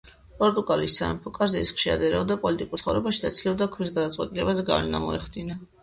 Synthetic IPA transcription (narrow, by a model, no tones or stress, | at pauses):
pʼɔɾt̪ʼuɡalisa̰ɛ̰mpʰɔkʼazɛisχʃia̰d̪ɛɾɛɔd̪apʼɔlit̪ʼikʼuɾsχɔvɾɛbaʃid̪at̪sʰilɛbd̪akʰmis̬ɡad̪at̪sʼwɛ̰t̪ʼilɛbazɛɡa̰vlɛna̰mɔɛχd̪ina